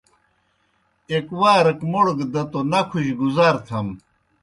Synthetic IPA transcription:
ekwaːɾɐkmoɽɡd̪ɐt̪onɐkʰuɕɡuzaːɾt̪ʰɐm

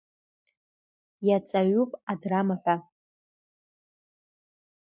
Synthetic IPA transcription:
jat͡sʼaɥupʼadramaħʷᶣa

